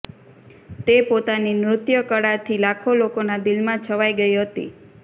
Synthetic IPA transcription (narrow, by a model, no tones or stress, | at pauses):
t̪epot̪aninɾʊt̪jəkəɽat̪ʰilakʰolokonad̪ilmãt͡ʃʰəʋaiɡəiɦət̪ḭ